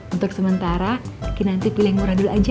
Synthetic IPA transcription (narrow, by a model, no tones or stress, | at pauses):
unt̪ʊksəmənt̪aɾakinant̪ipilɪhmuɾadulad͡ʒa